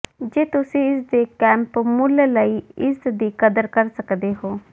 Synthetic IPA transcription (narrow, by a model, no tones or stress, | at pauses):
d͡ʒeːt̪ʊsĩːɪsd̪eːkɛ̃ːmpmʊlləiːɪsd̪iːkəd̪əɾkəɾsəkd̪eːɦoː